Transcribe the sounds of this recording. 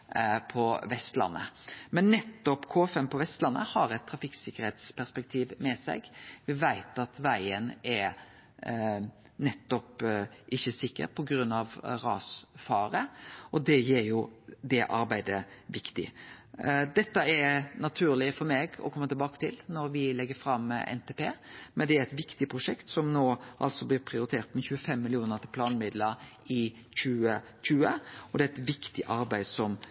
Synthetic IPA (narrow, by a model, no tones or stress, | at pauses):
pʰɔʋɛst̪lɑ̰nːə̰mɛnːɛt̪ːɔpkʰoːfɛmpʰɔʋɛst̪lɑnːʔə̰hɑɾɛt̪ʰːɾɑfɪksɪkːəɾheːt̪spʰæʁspɛk̚t̪ʰiːʋmɛsɛ̰ɡʋɪʋæɪt̪ɑt̪ʋæɪənɛɾ | nɛt̪ːɔpʔɪçːəsɪkːə̰ɾpʰɔɡɾʉnːɑʋʁɑ̰ːsfɑːɾəɔd̪ɛjeːɾjʊd̪ɛʔɑ̰ɾbæɪd̪əʋɪkt̪ɪ̰ | d̪ɛt̪ːəɛnɑt̪ʰʉːɾlɪfɔɾmeːɡɔ̰kʰɔmːət̪ɪlbɑːkə̥t̪ʰɪlnɔɾʋɪlɛɡːəfɾɑmɛ̰nt̪ʰeːpʰeːmɛnd̪ɛæɾɛt̪ʋɪkt̪ɪpʰɾʊʂɛkt̪sɔmnoːʔɑ̰lsɔblɪɾpʰɾɪʊɾɪt̪ʰeːɾt̪mɛçʉːəfɛmːɪlɪuːnəʁt̪ɪpʰlɑːnmɪd̪ləɾɪ | çʉːə | çʉːəɔd̪ɛæɛɪt̪ʋɪkt̪ɪʔɑɾbæɪsɔm